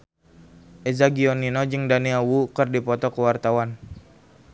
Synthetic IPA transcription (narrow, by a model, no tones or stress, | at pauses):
ʔɛzaɡiɔninɔd͡ʒɨŋdaniawukərdipɔt̪ɔkəwart̪awan